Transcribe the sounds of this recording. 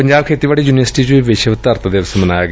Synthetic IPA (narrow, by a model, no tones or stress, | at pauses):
əɲd͡ʒaːbkʰeːt̪iːʋaːɽiːjuːnɪʋəɾsɪ̥ʈiːd͡ʒuiːʋɪʃt̪əɾt̪d̪eːʋsmənaːjaːɡ